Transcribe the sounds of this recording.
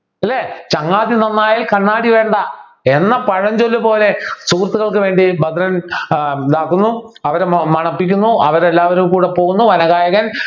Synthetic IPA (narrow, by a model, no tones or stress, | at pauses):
ɐlːeːt͡ɕɐŋːaːd̪inɐnːaːjaːlkɐɳːaːɽiʋe̞ːɳɖɐ | e̞nːɐpɐɻɐɲd͡ʑolːupo̞ːle̞sukːrɐt̪ːuɣɐɭkɨʋe̞ːɳɖibɐd̪ɾɐn | d̪aːkunːu | ɐʋɐɾemɐɳɐpːikʲːunːuɐ̰ʋɐɾelːaːʋɐɾumkuːɽepo̞ːɣunːuʋɐnɐɣaːjɐɣɐn